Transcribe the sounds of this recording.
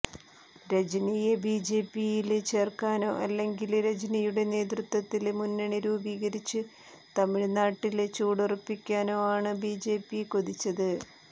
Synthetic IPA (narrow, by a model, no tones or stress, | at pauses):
ɾed͡ʑinijebiːd͡ʑe̞ːpːijilt͡ɕe̞ːrkaːno̞̰ːʔɐlːe̞ŋɡilɾed͡ʑnijuɽe̞ne̞ːd̪rut̪wɐt̪ːilmunːɐɳiɾuːbiːɣɐɾit͡ɕːɨ | t̪ɐmiɻnaːʈːilt͡ɕuːɽurɐpːikʲːaːno̞ːaːɳɨbiːd͡ʑe̞ːpːikoðit͡ɕːɐðɨ